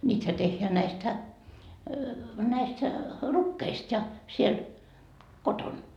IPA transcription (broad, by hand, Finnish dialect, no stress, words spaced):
nʲiːthæ tehːeæ næistæ næistæ rukːeist jɑ siel koton